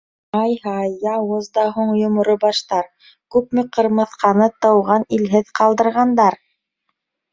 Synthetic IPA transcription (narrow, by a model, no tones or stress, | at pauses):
ɑjhɑjɑwɤzd̪ɑɦuɴjŏmŏɾobɑʃt̪ɑɾ | kʉp̚mɘ̆qɤ̆ɾmɤ̆θqʰɑnɤt̪ɤ̆wʁɑnilɦɘðqɑlˠd̪ɤ̆ɾʁɑnd̪ɑɾ